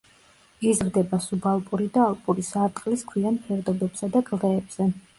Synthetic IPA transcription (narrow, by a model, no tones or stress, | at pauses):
izɾd̪ɛbasubalˠpʼuɾid̪aːlˠpʼuɾisaɾt̪ʼqʼliskʰwianpʰɛɾd̪ɔbɛbsad̪aɡlˠɛːbz̥ɛ